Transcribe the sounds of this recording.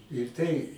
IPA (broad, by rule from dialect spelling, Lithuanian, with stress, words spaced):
ɪr ˈtɐɪ